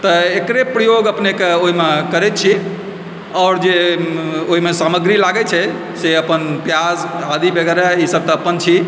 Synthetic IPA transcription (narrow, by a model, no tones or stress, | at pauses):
t̪əekɾepɾəjoɡəpnekeoɦimekəɾɛt̪t͡ʃʰi | ɔʊɾd͡ʒe | oɦimesaməɡɾilaɡɛt͡ʃʰɛ | seəpənpjad͡ʒad̪ibəɡɛɾaisəb̚t̪əːpənt͡ʃʰi